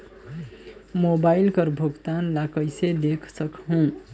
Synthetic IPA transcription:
mobailkəɾbʱuɡt̪anlakəjsed̪ekʰsəkɦũ

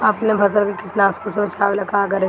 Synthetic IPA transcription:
ɐpnebʱɐs̬əlkekɪʈnaːskosebɪt͡ʃʰaːʋelɐkaːɡɐɾe

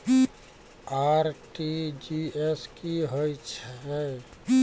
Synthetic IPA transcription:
aɾʈid͡ʒieskiɦojt͡ʃʰɛ

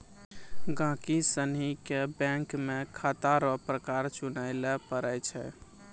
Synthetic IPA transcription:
ɡãkisənɦikebɛ̃ŋkmekʰat̪aɾɔpɾəkaɾt͡ʃunaɪlepəɾəjt͡ʃʰɛ̰

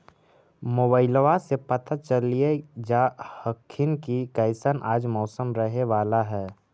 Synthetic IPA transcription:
moːbaːɪlʋasepɐt̪ʰat͡ʃəlied͡ʒahəkʰːɪnkikɐɪsənʔaːd͡ʒmɔːsəmɾəɦeʋaːlaɦɛː

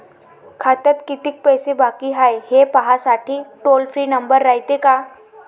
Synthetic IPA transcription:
kʰat̪ət̪kit̪ik̚pəjsebakiɦajhepaɦasaʈʰiːʈolfɾiːnəmbəɾːaɦjt̪eka

